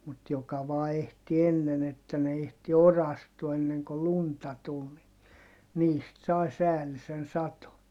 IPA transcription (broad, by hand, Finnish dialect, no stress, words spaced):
mut jokɑ ʋɑː ehti enːen etːæ ne ehti orɑstuɑ enːeŋ ko luntɑ tul ni niːst sɑi sæːlisen sɑto